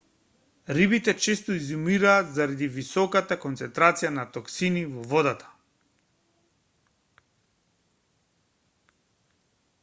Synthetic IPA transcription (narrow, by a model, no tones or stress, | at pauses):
ɾibit̪ɛt͡ʃɛst̪ɔizumiɾaːt̪zaɾad̪ivisɔkat̪akɔnt̪sɛnt̪ɾat̪sijanat̪ɔksinivɔvɔd̪at̪ʰḁ